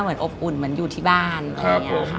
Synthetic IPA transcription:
mɯ˩˦ənʔo˨˩p̚ʔu˨˩nmɯ˩˦ənjuː˨˩t̪ʰiː˥˩baː˥˩n˧a˦p

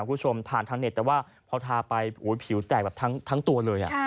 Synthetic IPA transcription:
kʰuː˥˦˩t͡ɕʰo˧mpʰaː˨˩nt̪ʰa˦˥ŋne˨˩t̪̚ːɛː˨˩waː˥˩ | pʰɔ˧t̪ʰaː˧pa˧jʔuː˩˦jpʰi˩˦wt̪ɛː˨˩k̚bɛː˨˩p̚t̪ʰa˦˥ŋt̪ʰa˦˥ŋt̪u˧ɐlɤː˧jʔa̰˨˩

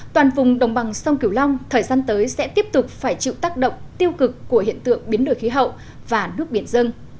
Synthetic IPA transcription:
t̪waː˨˩nvʊ˨˩ŋ͡mɗə˨˩wŋ͡mɓa˨˩ŋsa˧wŋ͡mki˧˩əwla˧wŋ͡mt̪ʰəː˨˩jzaː˧nt̪əː˨˦jsɛ̰˧˥t̪i˦˥əp̚t̪ʊ˨˩k͡p̚faː˧˩jt͡ɕḭ˧˨wt̪aː˦˥k̚ɗə̰˧˨wŋ͡mt̪i˧əwkɨ˨˩kːu˧˩əhḭ˧˨ənt̪ɨ̰˧˨əŋɓi˨˦ənɗo˨˧˩jxi˨˦ɦə̰˧˨w | vaː˨˩nɨ˦˥ək̚ɓi˧˩ənzɨ˧əŋ

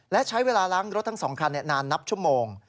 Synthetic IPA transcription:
lɛ˦˥ʔt͡ɕʰa˦˥jweː˧laː˧ɾaː˦˥ŋɾo˦˥t̪ʰːa˦˥ŋsɔː˩˦ŋkʰa˧nːi˨˩naː˧nːa˦˥p̚t͡ɕʰu˥˩əmoː˧ŋ

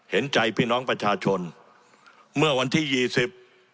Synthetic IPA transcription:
he˩˦nt͡ɕa˧jpʰiː˥˩nɔː˦˥ŋpɾa˧t͡ɕʰaː˧t͡ɕʰo˧n | mɯ˥˩ɐwa˧nt̪ʰiː˥˩jiː˧˩si˨˩p̚

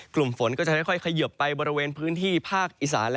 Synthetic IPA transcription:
klu˨˩mfo˩˦nkɔː˥˩t͡ɕa˨˩da˥˩jkʰɔ˥˩jkʰa˧jɯ˨˩pːa˧jbɔː˧ɾi˧weː˧npʰɯː˦˥nt̪ʰiː˥˩pʰaː˥˩k̚ʔi˨˩sa̰ː˩˦nl

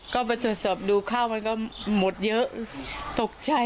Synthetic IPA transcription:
kɔː˥˩pa˧jt̪ʰo˨˩˦t̪̚sɔː˨˩p̚duː˧kʰaː˥˩wma˧nkɔː˥˩mo˨˩t̪̚jɤ˦˥ʔt̪o˨˩k̚t͡ɕa˧j

